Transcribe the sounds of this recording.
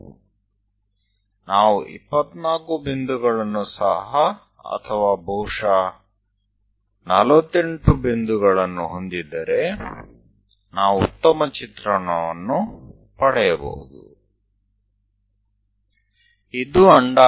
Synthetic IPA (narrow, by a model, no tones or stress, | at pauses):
naːʋuʔḭpːɐt̪naːkubind̪uɡɐɭɐnːusɐ̰ɦɐ | ɐ̰t̪ʰɐʋaːbʱɐwʂɐ | nɐlʋɐt̪ːe̞ɳʈubind̪uɡɐɭɐnːṵɦond̪id̪ːɐɾe̞ | naːʋuut̪ːɐmɐt͡ʃit̪ɾɐɳɐʋɐnːu | pɐɽɛjɐbo̰ːd̪ṵ | id̪uɐɳɖa